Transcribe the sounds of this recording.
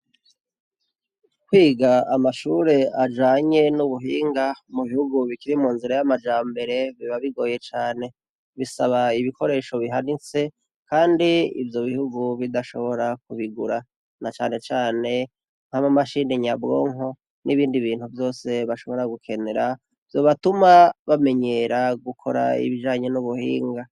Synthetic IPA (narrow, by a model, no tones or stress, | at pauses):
kwiːɡaamaʃuːɾe̞ad͡ʒaːɲe̞nuβuɦiːŋɡamuβihuɡuβikiɾimuːnziɾajamad͡ʒaːmbe̞ɾe̞βiβaβiɡo̞ːje̞t͡ʃaːne̞ | βisaβaiβikʰo̞ɾe̞ːʃo̞βiɦanit͡se̞ | kaːndiḭvjo̞βihuɡuβidaʃo̞βo̞ɾak̚uβiɡuɾa | nat͡ʃaːne̞t͡ʃaːne̞ | n̥haβamaʃineɲabɡo̞̰ːŋo̞ | nʔiβiːndiβiːnhuvjo̞ːse̞βaʃo̞βo̞ɾaɡukʰe̞ne̞ɾa | v̥jo̞ːβatumaβame̞ɲe̞ɾaɡukʰo̞ɾa̰ḭβiʒaːɲo̞nuβuhiːŋɡa